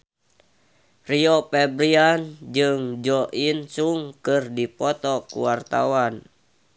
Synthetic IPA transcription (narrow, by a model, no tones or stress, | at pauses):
riɔpɛbɾiand͡ʒɨŋd͡ʒɔʔinsuŋkɨrdipɔt̪ɔkṵwart̪a̰wan